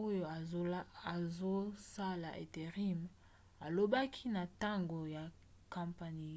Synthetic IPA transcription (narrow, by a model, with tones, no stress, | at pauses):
o˦jo˨a˨zo˦sa˦la˨ʔḛ˨te˨ʁi˦m | a˨lo˦ba˦kʰi˦na˨ta˦ŋɡo˨ja˨ | kã˨mpa˨ni˨